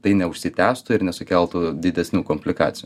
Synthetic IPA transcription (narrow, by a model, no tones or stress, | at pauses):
t̪ɐɪnʲɛʊʃʲsʲɪt̪ʲæːst̪ʊɪɾnʲɛsʊkʲɛlˠt̪ud̪ʲɪd̪ʲɛsʲnʲuːkomʲpʲlʲɪkɑ̰ːt̪ʲɪjuː